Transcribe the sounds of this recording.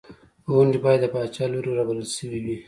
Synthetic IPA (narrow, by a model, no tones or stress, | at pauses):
ɣʊɳɖibɑjad̪ːəpɑt͡ʃɑloɾoɾabaɾəlʃəwiwi